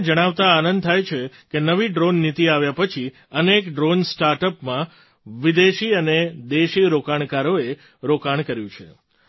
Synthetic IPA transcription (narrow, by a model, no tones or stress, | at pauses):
d͡ʒəɽ̃aʋt̪aːnənd̪̚t̪ʰajt͡ʃʰekenəʋiɖɾonːit̪iaʋjapət͡ʃʰi | ənekɖɾonsʈaɾʈəpmã | ʋid̪eʃiəned̪eʃiɾokaɳkaɾoe | ɾokaɳkəɾjũt͡ʃʰḛ